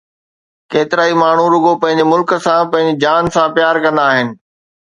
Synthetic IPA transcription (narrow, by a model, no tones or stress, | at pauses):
keːt̪ɪɾaːimaːɳ̤uɾʊɡopɐ̃ɦɪ̃ɲd͡ʑemʊlkə̆sãpɐ̃ɦɪ̃ɲd͡ʑed͡ʑaːnsãpjaːɾkɐ̃nd̪aːɦɪnɪ̆